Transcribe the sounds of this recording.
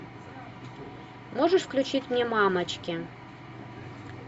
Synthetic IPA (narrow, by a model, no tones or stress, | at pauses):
moʒəʃfklʲut͡ɕit̪ʲmʲemɑmət͡ɕkʲe